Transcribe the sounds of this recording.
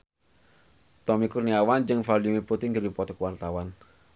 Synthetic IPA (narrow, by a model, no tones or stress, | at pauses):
t̪ɔmikurniawand͡ʒɨŋfalimiput̪iŋɡərdipɔt̪ɔkəwart̪awan